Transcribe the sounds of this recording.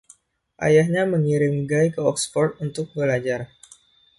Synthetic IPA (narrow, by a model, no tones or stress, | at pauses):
ʔa̰jahɲaməŋiɾɪmɡajkəɔkspɔrt̪̚unt̪ʊk̚bəlad͡ʒar